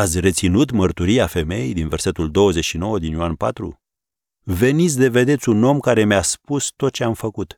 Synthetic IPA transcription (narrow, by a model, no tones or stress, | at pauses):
at̪sʲre̞t̪sinut̪mərt̪uɾieafe̞me̞jejd̪inve̞rse̞t̪uld̪o̞wəze̞ʃino̞wəd̪injoanpa̰t̪ɾṵ | ve̞nit̪sʲd̪e̞ve̞d̪e̞t̪sʲuno̞mkaɾe̞measpust̪o̞t̪̚t͡ʃe̞amfəkut̪